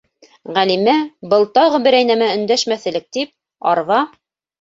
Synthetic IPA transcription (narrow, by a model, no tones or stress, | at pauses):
ʁælimæbɤlˠt̪ɑʁɤbɘ̆ɾæjnæmæɵ̆nd̪æʃmæθɘ̆lɘk̚t̪ip̚ | ɑɾvɑ